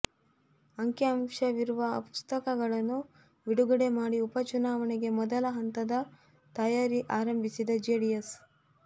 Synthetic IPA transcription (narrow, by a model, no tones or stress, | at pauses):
ɐŋkjɐɐmʂɐʋiɾuʋɐɐpu̥st̪ɐkɐɡɐɭɐnːu | ʋiɽuɡɐɽe̞maːɽiupɐt͡ʃunaːʋɐɳɛɡe̞mɔd̪ɐlɐɦɐnt̪ɐd̪ɐ | t̪ɐjaːɾiʔaːɾɐmbʱisid̪ɐd͡ʒeɽijɐs